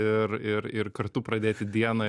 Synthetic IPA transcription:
ɪɾɪɾɪrkɐɾt̪uːpɾɐd̪ʲeːt̪ʲɪd̪ʲiɛnɐː

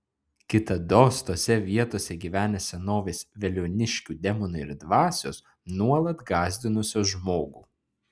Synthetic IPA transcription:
kʲɪt̪ɐd̪oːst̪oːsʲɛʋʲiɛt̪oːsʲɛɡʲiːʋʲæːnʲɛsʲɛnoːʋʲeːsʋʲɛlʲoːnʲɪʃʲkʲuːd̪ʲɛmɔnʊɪɾd̪ʋɑːsʲoːs | nuɔlˠɐt̪ɡɑːzʲd̪ʲɪnʊsʲoːʒmoːɡuː

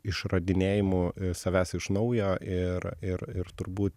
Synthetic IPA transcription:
ɪʃrɐd̪ʲɪnʲeːjɪmʊsɐʋʲæːsɪʃnɐʊjoːʔɪɾɪɾɪɾt̪ʊɾbuːt̪

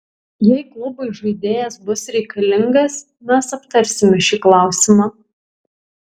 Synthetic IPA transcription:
jɛɪklˠʊbɐɪʒɐɪd̪ʲeːjɛsbʊsɾʲɛɪkɐlʲɪŋɡɐs | mʲɛsɐpt̪ɐɾʲsʲɪmʲɛʃʲiːklˠɑˑʊsʲɪmɑː

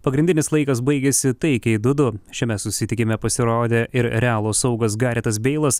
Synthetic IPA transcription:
pɐɡɾʲɪndʲɪnʲɪslˠɐɪkɐs̬bɐɪɡʲeːsʲɪt̪ɐɪkʲɛɪd̪ʊd̪ʊʃʲɛmʲɛsʊsʲɪt̪ʲɪkʲɪmʲɛpɐsʲɪɾoːd̪ʲeːʔɪɾɾʲɛɑːlˠoːsɐʊɡɐs̬ɡɑːɾʲeːt̪ɐs̬bʲɛɪlˠɐs

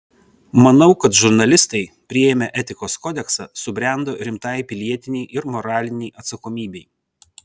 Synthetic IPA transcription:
mɐnɐʊkɐt̪ʒʊɾnɐlʲɪst̪ɐɪpʲɾʲɪɛːmʲɛʔɛt̪ʲɪkoːskɔːd̪ʲɛksɑsʊbʲɾʲæˑnd̪oːɾʲɪmt̪ɑɪpʲɪlʲiɛt̪ʲɪnʲɛːʔɪɾmɔɾɑːlʲɪnʲɛɪʔɐt̪sɐkoːmʲiːbʲɛɪ

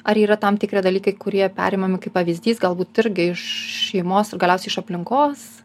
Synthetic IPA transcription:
ɐɾiːɾɐt̪ɐmt̪ʲɪkɾʲiɛd̪ɐlʲiːkɐɪkʊɾʲiɛpʲæ̰ːɾʲɪːmɐmʲɪkɐɪpɐʋʲizʲd̪ʲiːsɡɐlˠbuːt̪ɪɾʲɡʲɪɪʃʃʲɛɪmoːsɪrɡɐlʲɛʊsʲɛɪʃɐpʲlʲɪŋkoːs

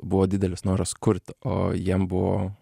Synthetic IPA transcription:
boːd̪ɪd̪ɛlsnɑːɾɑskʰʊɾt̪ʔo̰jɛmbo̰ː

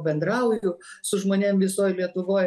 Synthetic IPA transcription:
bʲɛnd̪ɾɐʊjʊsʊʒmoːnʲemʋʲɪsoːjlʲiɛt̪ʊʋoːj

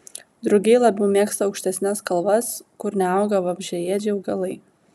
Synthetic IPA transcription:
d̪ɾʊɡʲɛɪlˠɐbʲɛʊmʲeːkst̪ɐɒʊkʃʲt̪ʲɛsʲnʲɛskɐlˠʋɐskʊɾnʲɛɐʊɡɐʋɐbʲʒʲɛjɛːd͡ʒʲɛʊɡɐlˠɐɪ

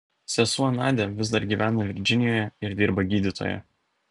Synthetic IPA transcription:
sʲɛsuɐnɑːd̪ʲɛʋʲɪzd̪ɐɾɡʲiːʋʲæːnɐʋʲɪɾʲd͡ʒʲɪnʲɪjoːjɛɪɾd̪ʲiːɾbɐɡʲiːd̪ʲɪt̪o̰ːjɛ̰

